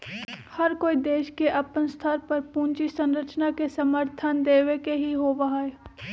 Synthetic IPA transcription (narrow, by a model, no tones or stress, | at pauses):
hɐɾkoːid̪eːʃkeʔɐpənst̪ʰəɾpɐɾpũːnt͡ʃisə̃nɾət͡ʃnakesɐməɾt̪ʰənd̪eːʋekeɦiɦoʋɐɦae